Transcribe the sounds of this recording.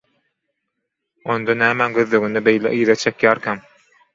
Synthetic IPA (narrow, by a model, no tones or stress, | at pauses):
ond̪onæːmænɡøðløɡynd̪æbejlḛʔiːðet͡ʃʰekjæːɾkʲʰæm